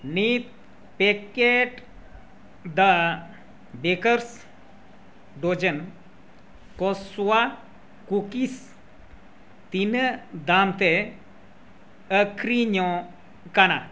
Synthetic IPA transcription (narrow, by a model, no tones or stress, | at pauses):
nit̪̚ | pekeʈ | d̪a | bekəɾs | ɖod͡ʒən | kɔswa | kukis | t̪inəd̪amt̪e | əkʰɾiɲɔ | kana